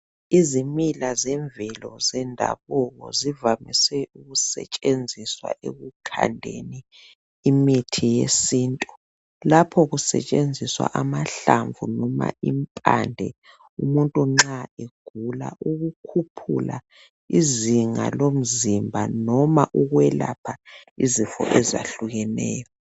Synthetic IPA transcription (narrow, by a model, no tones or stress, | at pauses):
izimilazɛɱvɛlɔzɛndʱa̰βɔɣɔ̰zivamisɛuɣusɛ̰t͡ʃʼend͡zʱiswa̰ʔḛɣukʰa̰ndʱḛniː | mitʰijesiːntʼu | lapʰɔɣusɛ̰t͡ʃʼend͡zʱiswa̰ʔamaɬaɱvṵnɔma̰impʼandʱɛ | umuntʼuŋ͡ǁaeɡ̥ʱula̰ʔuɣukʰupʰṵla | iziŋa̰lom̩zimbʱanɔmaʔuɣwɛlapʰaizifɔ̰ʔɛza̰ɬuɣɛnɛ̰ːjɔ